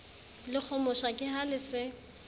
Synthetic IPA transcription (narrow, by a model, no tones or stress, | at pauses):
lɪk͡xʰɔmɔʃakʼɪɦalɪsɪ